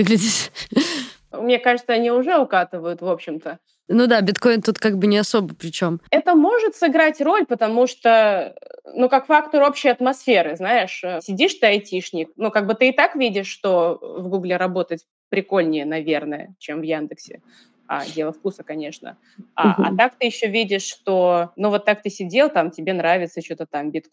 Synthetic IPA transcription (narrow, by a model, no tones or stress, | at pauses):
vɨɡlʲɪdʲɪt̪ | mnʲekaʐɨt̪səɐnʲiʊʐɛʊkat̪ɨvəjʊt̪vo̞pɕːɪmt̪ə | nud̪abʲɪt̪ko̞ɪnt̪ut̪kaɡbɨnʲɪɐsobəpɾʲɪt͡ɕomɛt̪əmo̞ʐɨt̪sɨɡɾatʲro̞lʲpət̪ɐmuʂt̪o | nukakfakt̪oɾo̞pɕːɪjɐt̪mɐsfʲe̞ɾɨznaɪʂsʲɪdʲiʂt̪ɨɐjtʲiʂnʲɪknukaɡ̚bɨt̪ɨɪt̪akvʲidʲɪʂːt̪o̞vɡuɡlʲɪɾɐbo̞t̪ətʲ | pɾʲɪko̞lʲnʲɪjənɐvʲernəjə̰t͡ɕemvjand̪ɨksʲɪ̰ | a̰dʲe̞lˠəfkusəkɐnʲe̞ʂnə̰ | aʔɐ̰t̪ak̚t̪ɨjɪɕːovʲidʲɪʂːt̪o̞nuvo̞t̪ːak̚t̪ɨsʲɪdʲe̞lˠt̪amtʲɪbʲe̞nɾavʲɪt̪sət͡ɕot̪ət̪ambʲɪt̪